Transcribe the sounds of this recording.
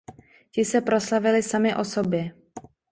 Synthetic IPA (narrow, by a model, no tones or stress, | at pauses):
cɪsɛpɾo̞slavɪlɪsamɪʔo̞sobjɛ